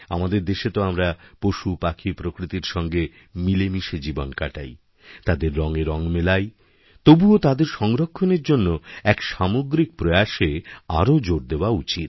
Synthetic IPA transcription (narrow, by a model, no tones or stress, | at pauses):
a̰mad̪eɾd̪eʃet̪oamɾapoʃupakʰipɾokɾit̪iɾʃɔŋɡe | milemiʃed͡ʑibonka̰ʈa̰j | t̪ad̪eɾːɔŋeɾɔŋmelaj | t̪obuot̪ad̪eɾʃɔŋɾokʰːoneɾd͡ʑonːoɛkʃamoɡɾik̚pɾojaʃea̰ɾod͡ʑoɖ̚d̪eoaut͡ɕit̪̚